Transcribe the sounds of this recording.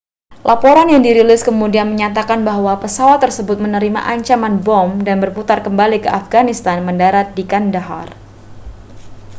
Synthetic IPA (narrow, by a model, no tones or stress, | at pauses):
lʔapɔɾanjaŋdiɾilɪskəmudianməɲat̪̬akanbaɦwapəsawat̪ːərsəbʊt̪̚mənəɾima̰ʔaɲt͡ʃamanbɔmdanbərput̪arkəmbalikəafɡanist̪anməndaɾat̪̚dikandaɦa̰r